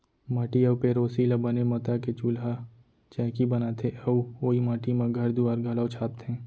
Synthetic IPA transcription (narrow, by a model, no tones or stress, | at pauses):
mɐʈiɐwpeɾoːsilabɐnemɐt̪aket͡ʃuːlɦa | t͡ʃɛ̃ːkibɐnaːt̪ʰeɐuoːimaːʈimãɡʱɐɾd̪uaːɾɡʱɐlawt͡ʃʰaːp̚t̪ẽː